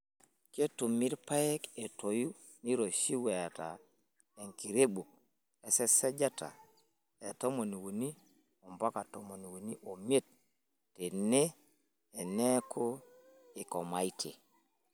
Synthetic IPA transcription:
ke˦tu˨mi˦ɾpa˦je˦ke˨to˨ju˦ | ni˦ɾo˨ʃi˦we˨a˨ta̰˨ | e˨ŋki˨ɾe˦ɓu˨k̚ | e˨se˦se˦d͡ʒa˦ta̰˨ | e˨to˦mo˨ni˨wu˨ni˦ | o˨mba˦ka˨to˨mo˨n˨wu˨ni˦ʔo˨me˦t̚ː | e˨ne˦ | e˨ne˦kʰo˦ | e˨ko˨ma˨jtʰḛ˨

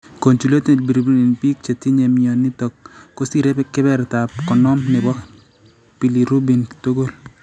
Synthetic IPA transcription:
ko˨nt͡ʃu˨le˦te˨dbi˨ɾubi˦ni˨npi˦k̚t͡ʃe˨ti˦ɲe˨miɔ˨ni˦tɔ˨kːo˦si˨ɾekɪ˦bɛ˦ɾtap̚kɔ˨nɔ˦mnɪ˨bɔ˦ | pi˨li˨ɾu˦bi˨nto˦ɡo˦l

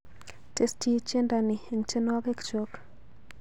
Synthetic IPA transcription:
te˦sti˦t͡ʃe˦nda˨ni˨e˨ŋt͡ʃe˦nwa˦be˦kt͡ʃo˨k

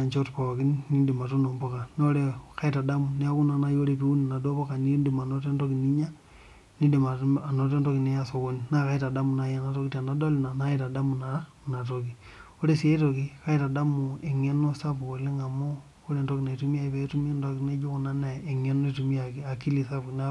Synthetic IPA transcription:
a˨ɲt͡ʃo˦tpa˨a˨ki˦nːi˦di˨ma˨to˦no˨mbo˦ka˨n˦o˦ɾe˨ka˦i˦ta˨da˦mu˨ne˦a˦ku˦na˨na˦jo˦ɾe˨pi˦u˦ni˨na˨do˦bo˦ka˨ni˦ndi˨ma˨no˦te˦ndo˦ki˨ni˦ɲa˦ | ni˦di˨ma˨a˨no˨t̬e˦ndo˦ki˨ne˦ja˦so˨ko˦nina˦ka˦i˦ta˨da˦mu˨na˨ja˦na˨to˦ki˦ta˨na˨do˦lna˨na˦i˦ta˨da˦mu˨na˨a˦ | na˨to˨ki˨ | o˦ɾe˦si˦e˦to˨ki˦ka˦i˦ta˨da˦mu˨e˨ŋe˦no˦sa˦pko˨le˦ŋa˨mo˦ | o˦ɾe˨nto˦ki˨na˨i˨tu˦mi˦a˨i˦pe˦tu˦m˦ndo˦kine˦d͡ʒo˦ku˨na˦na˨e˨ŋe˦no˦i˨tu˨mi˦a˨ki˦a˨ki˦li˨sa˦pkn˦

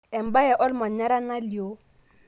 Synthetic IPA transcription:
ɛ˨m̩˨ba˦jɛ˨ʔɔ˦lɪ˦ma˨ɲa˦ɾa˦na˦li˨o˦

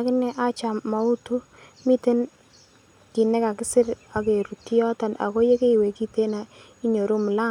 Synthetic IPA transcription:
akɪ˦nɛ˦ʔa˦t͡ʃa˨mːa˨u˦tu˦ | mi˦te˦n | ki˨nɛ˦ka˨kɪ˦sɪ˦ɾa˨ke˨ɾu˨ti˦jɔ˦ta˨na̰˨ko˦je˦ke˦i˨we˨ki˦te˦na˨ | i˦ɲo˨ɾu˦mʊ˨la˦

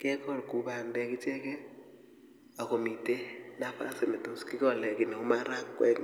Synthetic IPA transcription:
kɪ˦ɛ˦kɔ˦˨lku˨˦ba˨ndɛ˦kɪ˦t͡ʃɛ˦kɛ˦ | a˨ko˨mi˨te˦na˦pa̰˦sɪ˨nɛ˨to˦skɪ˦kɔ˦˨lɛ˨kɪ˨nɛ˨ʊ˦ma˦ɾa˦kːwɛ̰˦k

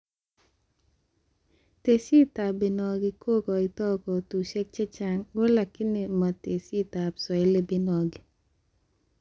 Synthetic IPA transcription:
te˨si˦t̪a˨bi˨nɔ˨ɡɪ˦kʰo˦kɔ˨ɪ˨t̪ɔ˦kɔ˨tu˨ʃɛ˦k̚t͡ʃɛ˦t͡ʃa˦ŋɡo˦la˨kːi˦ni˨ma˨te˨si˦ta˨psɔ˨e˦le˦bɪ˦nɔ˨ɡi˨

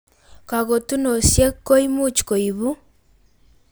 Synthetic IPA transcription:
ka˨ɣo˨tu˦no˨sje˦ko˦imu˦t͡ʃko˨iβu˦

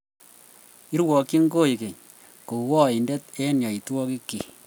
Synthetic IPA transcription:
i˦ɾwɔ˨kːi˦ŋ˦ɡo˦i˨ke˨ɲ | ko˨wɔ˦i˨nde˦t̚e˦nja˨i˨twɔ˦ki˦kːḭ˨

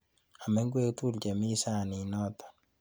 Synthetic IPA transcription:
a˨mɛ˦ŋɡwe˦tu˦ld͡ʒɛ˨mi˦sa˦˨ni˨nɔ˦t̪ḁ˨

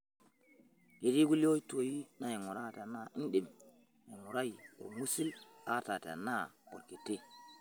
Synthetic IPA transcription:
ɡe˨ɾi˦ɡu˦lo˦i˦to˨ji˦na˨je˨ŋu˨ɾa˦ta˨na˦ʔi˦nɗi˨m | je˨ŋu˨ɾa˦ji˨o̰˨mu˦si˦la˦ta˨ta̰˨na˦o̰˨ɾke˨te˦

